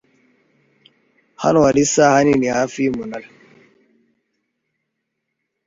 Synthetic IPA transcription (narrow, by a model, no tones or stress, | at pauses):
ha̰nwalisahaninihafimunal